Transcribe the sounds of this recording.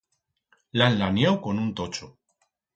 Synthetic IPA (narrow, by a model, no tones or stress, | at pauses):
laenlanjawko̞nunt̪ot͡ʃo